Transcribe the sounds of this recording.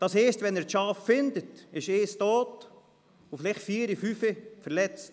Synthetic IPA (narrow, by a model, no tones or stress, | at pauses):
d̥ɑsheːstvɛnɛːɾʃɑːffɪndətɪʃeːstoːt | ofɪlɪχtfiːɾifyːfəfɛɾlɛt͡st